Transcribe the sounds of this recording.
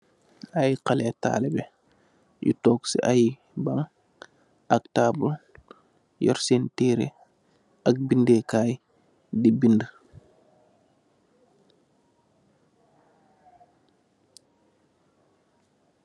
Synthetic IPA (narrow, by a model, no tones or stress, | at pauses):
ajqalɛta̰ːlɛbɛ | jṵtɔːksḭʔaj | baŋ | ak̚taːbul | jɔ̰ɾsenteːɾḛ | ʔak̚bindekaːj | dibində